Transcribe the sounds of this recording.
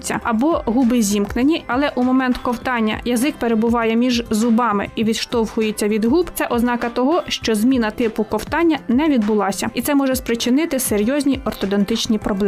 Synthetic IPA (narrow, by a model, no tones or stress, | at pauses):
t͡sʲːɐ̰ɐbɔɦubɪzʲimknenʲiɐlˠɛʔumɔmɛnt̪kɔwt̪ɑnʲːɐ̰jɐzɪkpeɾebʊʋɑjɛmʲiʒzʊbɑmɪ̰iʋʲid̪ʃt̪ɔwhʊjet͡sʲːɐʋʲid̪ɦubt̪sɛʔɔznɑkɐt̪ɔɦɔʃt͡ʃɔzmʲinɐt̪ɪpʊkɔwt̪ɑnʲːɐnɛʋʲid̪̚bʊlˠɑsʲɐit̪sɛmɔʒɛspɾɪt͡ʃɪnɪt̪ɪseɾʲjɔzʲnʲiʔɔrt̪ɔd̪ɔnt̪ɪt͡ʃnʲipɾɔblˠɛ